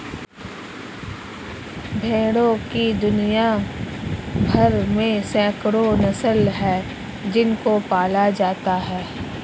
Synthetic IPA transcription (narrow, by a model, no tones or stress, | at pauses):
bʱeːɽõkid̪ʊnija | bʱɐɾmẽsɛ̃ːkɽonɐsəlɦɛː | d͡ʒɪnkopaːlad͡ʒaːt̪aɦɛː